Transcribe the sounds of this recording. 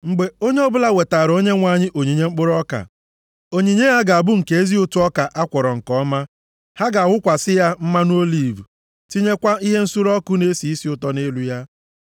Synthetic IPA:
ŋ͡m̩˨ɡ͡be˨o˦ɲe˦ɔ˦bʊ˦la˦we˨ta˨ɾo˦ɲe˦ŋʷa˨ɲɪ˦ʔo˨ɲi˨ɲe˦ŋ͡m̩˦k͡pʊ˦ɾɔ˦ka̰˨ | o˦ɲi˨ɲe˦ja˦ɡa˨a˨bʊ˦ŋ̩˨ke˨e˦zi˦ʊ˦tu˦ɔ˦ka˨ʔa˦kʷɔ˨ɾɔ˨ŋ̩˨kɔ˦ma˦ | ha˦ɡa˨wʷʊ˦kʷa˨sɪ˦ja˦m̩˦ma˦nu˦o˦li˦˨vu˨ | ti˦ɲe˦kʷa˦i˦ɦe˦n̩˦su˦ɾɔ˦kʊ˦ne˦si˨i˦si˦ʊ˦tɔ˦ne˦lu˦ja˦

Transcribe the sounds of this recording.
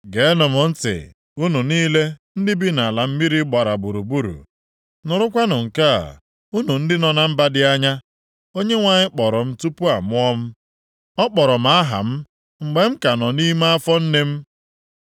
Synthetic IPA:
ɡe˨˦nʊ˨mʊ˨n̩˦tɪ̰˨ | u˦nu˨niː˦le˦n̩˦dɪ˦bi˦na˨la˨m̩˦mi˦ɾi˦ɡ͡ba˨ɾa˨bu˨ɾu˨bu˦ɾṵ˨ | nʊ˨ɾʊ˦kʷa˦nʊ˨ŋ̩˨ka˦a̰˨ | u˦nu˨n̩˦dɪ˦nɔ˨na˨m̩˦ba˦dɪ˦a˦ɲa˦ | o˦ɲe˦ŋʷa˨ɲɪ˦k͡pɔ˨ɾɔ˨m̩˦tu˦pu˦a˨mʊ˦ɔ˦m̩˦ | ɔ˦k͡pɔ˨ɾɔ˨m̩˨˦a˦ɦa̰˨m̩˦ | ŋ͡m̩˨ɡ͡be˨m̩˦ka˨nɔ˨ni˦ma˦a˦fɔ˦n̩˦ne˦m̩˦

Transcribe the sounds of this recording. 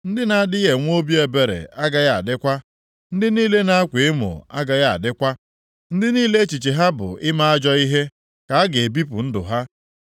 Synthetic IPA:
n̩˦dɪ˦na˦a˨dɪ˦je˨ŋʷ˦o˦bi˦e˨be˨ɾḛ˨a˦ɡa˦ja˨a̰˨dɪ˦kʷa˦ | n̩˦dɪ˦niː˦le˦na˦a˦kʷe˨ɪ˦mʊ̰˨a˦ɡa˨ɣa˦˨a̰˨dɪ˦kʷa˦ | n̩˦dɪ˦niː˦le˦t͡ʃi˨t͡ʃi˨ɦa˦bʊ̰˨ɪ˦ma˦a˦d͡ʒɔ˦i˦ɦe˦ | ka˨a˦ɡe˨e˨bi˦pʊ˨n̩˦dʊ̰˨ɦa˦

